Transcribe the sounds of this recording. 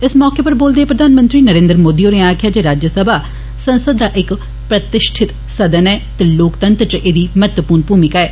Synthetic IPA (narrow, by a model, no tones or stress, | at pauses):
ɪsmɔːkepəɾboːld̪eeːpɾəd̪aːnmə̃nt̪ɾiːnəɾẽːnd̪ɾmoːd̪iːõːneaːkʰjaːd͡ʒeːɾaːd͡ʒjəsəbʱaː | sə̃nsəd̪ːaːʔɪk | pɾət̪ɪʃʈʰɪt̪ | səd̪ənɛːt̪eːloːkt̪ənt̪ɾt͡ʃʔeːd̪iːmət̪əpuːɾnpuːmɪkaːɛː